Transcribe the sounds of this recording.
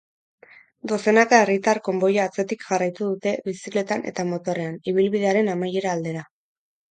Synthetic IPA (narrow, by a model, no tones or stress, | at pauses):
d̪o̞se̞nakaerit̪aɾko̞mbo̞jaːt͡se̞t̪ikʝarajt̪uð̞ut̪e̞βisikle̞t̪ane̞̰t̪amo̞t̪o̞ɾe̞aniβ̞ilβiðe̞aɾe̞namaje̞ɾaːld̪e̞ɾa